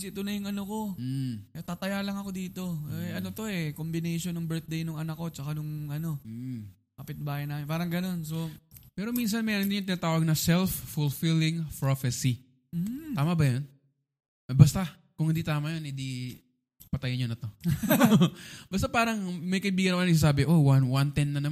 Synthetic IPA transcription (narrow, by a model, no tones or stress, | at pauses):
sɪt̪ʊnɐjʊŋɐnoko̞ | t̪at̪ɐjalɐŋɐko̞d̪iːt̪o̞ʔɐnot̪o̞ɛkombɪnɛjʃonʊŋbɛɹt̪̚d̪ejnʊŋɐnakːo̞t͡ʃɐkanʊŋʔɐno̞ | kɐpɪt̪̚baːjɐnaːmɪnpaːɾɐŋɡɐno̞nso̞pɛːɾo̞mins̬ɐnmɛːɾond̪ɪɲʊŋt̪ɪnaːt̪aːwɐɡ̚nɐsɛlfːʊlfilɪŋpɹofɛsi | aːmɐbɐjon | ɐbɐst̪a | kʊŋhɪnd̪it̪aːmɐjonhɪ̃nd̪i | pɐt̪ɐjɐnɲonɐt̪o̞ | bɐst̪apaːɾɐŋmɐjkɐʔɪbiːɡɐnɐkonɡs̬aːs̬aːbɪʔowanwant̪ɛnːɐnɐm